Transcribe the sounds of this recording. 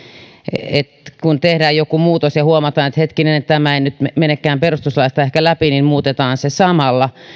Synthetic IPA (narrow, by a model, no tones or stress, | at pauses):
et̪kunt̪ehdæːjjokumuːt̪osjɑhuomɑt̪ɑːnet̪het̪kinenet̪t̪æmæenyt̪emenekːˑæːmperust̪uslɑist̪ɑehkælæpinimmuːt̪et̪ɑːnsesɑmɑlːɑ